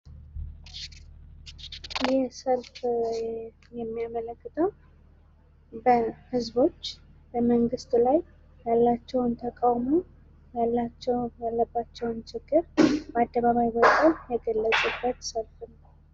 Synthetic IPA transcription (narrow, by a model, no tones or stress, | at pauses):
jɛsəlf | jɛmːijamələkːɨt̪ʰəw | bəhɨzbo̞t͡ʃːb̥əməŋɡɨst̪laj | jalːat͡ʃːɛwnt̪ʰəkʼawmo | jalːat͡ʃːɛwjalːəbːat͡ʃːɛwnt͡ʃʰɪɡːɨɾbəad̪ːəβaβajwəkʼəjɛɡəlːəsʼubːət̪səlfnəw